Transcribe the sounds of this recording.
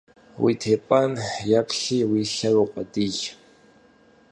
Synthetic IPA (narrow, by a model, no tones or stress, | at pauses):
wḭːtʰeːpʼanjapɬiːwiːɬɐruqʷʼɐdij